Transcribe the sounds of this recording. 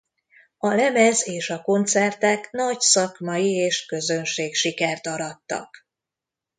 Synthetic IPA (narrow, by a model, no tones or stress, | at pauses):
ɒlɛmɛzeːʃɒko̞nt̪sɛrt̪ɛknɒcsɒkmɒjieːʃkø̞zø̞nʃeːkʃikɛrt̪ɒɾɒt̪ːɒ̰k